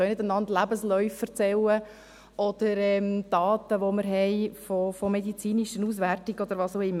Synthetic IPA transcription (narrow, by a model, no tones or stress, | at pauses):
œɥnɪdənɑndlæbəslœʏfːəɾt͡sɛlə | ʔɔd̪̥əɾɛmd̥ɑːt̪əʋoməɾɦɛɪfofɔmed̪it͡siːniʃənuːs̬værtiɡ̥ɔd̪əɾʋɑːsoɪmː